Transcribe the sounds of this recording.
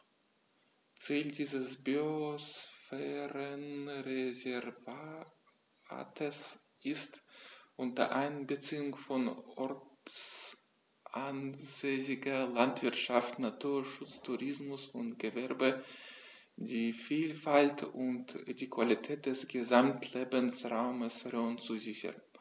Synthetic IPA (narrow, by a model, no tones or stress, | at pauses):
t͡siːldiːzəsbyosfɛːʁənʁezɛʁva | a̰ːtʰəs | ʔɪstʔʊntɐə̰ʔaɪnbət͡siːʊŋfɔnɔɐt͡s | ʔanzeːsɪɡɐlantv̥ɪɐtʃaftnatʰuːɐʃʊt͡stʰuʁɪsmʊsʊntɡ̥əvɛɐbə | diːfiːlfaltʊntd̥iːkv̥alitʰɛːt̚d̥ɛsɡ̥əzamtʰleːbənsʁaʊməsʁɔnt͡suzɪçɐ̰n